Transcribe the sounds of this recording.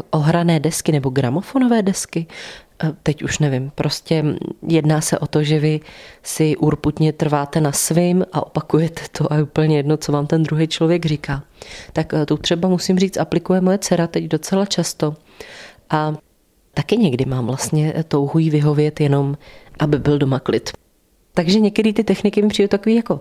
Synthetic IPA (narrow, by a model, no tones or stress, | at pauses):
ʔo̞ɦɾanɛːdɛskɪnɛbo̞ɡɾamo̞fo̞novɛːdɛskɪ | t̪ɛcuʃnɛvɪmpɾo̞scɛjɛdnaːsɛʔo̞t̪o̞ʒɛvɪsɪʔuɾput̪ɲɛt̪r̩vaːt̪ɛnasvɪmʔaʔo̞pakujɛt̪ʰɛ̥t̪ʰo̞ʔajɛupl̩ɲɛjɛdno̞t͡so̞vaːmt̪ɛnd̪ɾuɦɛjt͡ʃlo̞vjɛɡrɪkaːt̪akt̪ot̪r̝̥ɛbamusɪmriːt͡sʔaplɪkujɛmojɛt͡sɛɾat̪ɛcdo̞t͡sɛlat͡ʃast̪o̞ | ʔa | t̪akɪɲɛɡdɪmaːmvlast̪ɲɛt̪o̞wɦujiːvɪɦo̞vɪjɛt̪jɛno̞mʔabɪbɪldo̞maklɪt̪ | t̪aɡʒɛɲɛkt̪ɛɾiːt̪ɪt̪ɛxnɪkɪmɪpr̝̥ijut̪akoviːjako̞